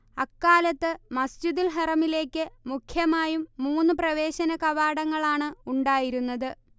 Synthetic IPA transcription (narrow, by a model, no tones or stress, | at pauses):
ɐkːaːlɐt̪ːɨmɐsd͡ʑiðilɦɐrɐmile̞ːkʲːɨmukʰjɐmaːjumːuːnːɨprɐʋe̞ːɕɐnɐkɐʋaːɽɐŋːɐɭaːɳɨuɳɖaːjiɾunːɐðɨ